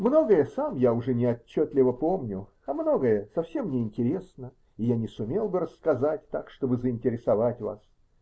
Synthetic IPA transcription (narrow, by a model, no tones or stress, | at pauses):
mno̞ɡəjəsamjaʊʐɛnʲɪɐt͡ɕːot̪lʲɪvəpo̞mnʲʊ | ɐmno̞ɡəjəsɐfsʲe̞mnʲɪɪnʲtʲɪɾʲe̞snə | ɪjanʲɪsʊmʲe̞lˠbɨɾəsːkɐzatʲt̪akʂt̪o̞bɨzəɪnʲtʲɪɾʲɪsɐvatʲva̰s